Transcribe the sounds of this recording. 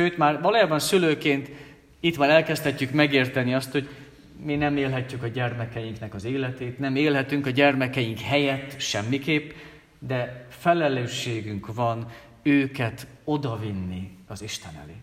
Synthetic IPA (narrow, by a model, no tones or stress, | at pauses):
ʃøːt̪maːrvɒloːjaːbɒnsyløːkeːnt̪ | it̪maːɾɛlkɛst̪ɛcːykmɛɡeːrt̪ɛniɒst̪ho̞ɟ | minɛmeːlɦɛcːykɒɟɛrmɛkɛjiŋknɛkɒzeːlɛt̪eːt̪nɛmeːlɦɛt̪yŋkɒɟɛrmɛkɛjiŋkhɛjɛt̪ːʃɛmːikeːpː | d̪ɛfɛlɛløːʃeːɡyŋkʋɒn | øːkɛt̪o̞d̪ɒvinːiɒziʃt̪ɛnɛ̰lḛː